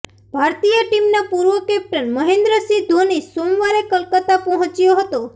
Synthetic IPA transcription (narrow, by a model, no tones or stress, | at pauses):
bʱaɾt̪ijəʈimnapuɾʋəkɛp̚ʈənməɦẽnd̪ɾəsid̪ʱonisomʋaɾekəlkət̪apɔɦɔ̃t͡ʃjoɦət̪o